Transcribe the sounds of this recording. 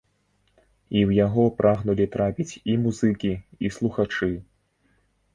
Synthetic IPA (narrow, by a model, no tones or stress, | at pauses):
iwjaɣɔpɾʔaɣnulʲit̪ɾapʲit͡sʲimuzɨkʲiislˠuxat͡ʂɨ